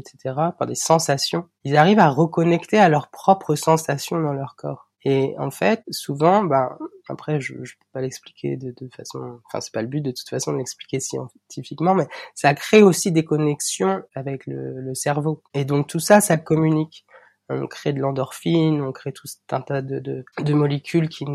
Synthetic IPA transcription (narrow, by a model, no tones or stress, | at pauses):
et̪set̪ʰeʁapaʁd̪esɑ̃sasjɔ̃ | ilzaʁivaʁəkɔnɛkt̪ealœʁpχɔpχəsɑ̃sasjɔ̃d̪ɑ̃lœʁkʰɔ̰ːʁ | eɑ̰̃fɛt̪suvɑ̃bãa̰pχɛʒə̰ʒəpø̥palɛkspli̥kʲʰḛd̪ət̪ufasɔ̰̃fɛ̰̃sɛ̥paləbyt̪̚d̪ət̪u̥t̪fasɔ̃d̪əlɛksplikʲesjɑ̰̃ | t̪ʰifikmɑ̃mɛsakχeosid̪ekɔnɛksjɔ̃avɛklə̰ləsɛʁvoed̪ɔ̃k̚t̪usasakɔmynikʲ | ɔ̰̃kχed̪əlɑ̃d̪ɔʁfinɔ̃kχet̪ʰusɛt̪ɛ̰̃t̪ad̪əd̪əd̪əmɔlekʲʰylkʲʰi